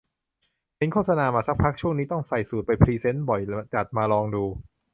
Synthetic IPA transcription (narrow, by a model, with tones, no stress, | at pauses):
hʰe˨˦nkʰo˥˩sa˧naː˧maː˧sa˦˥k̚pʰa˦˥k̚t͡ɕʰu˥˩əŋniː˦˥t̪ɔ˥˩ŋsa˨˩jsuː˨˩t̪̚pa˧jpʰɾiː˧se˦˥nbɔ˨˩jt͡ɕa˨˩t̪̚maː˧lɔː˧ŋduː˧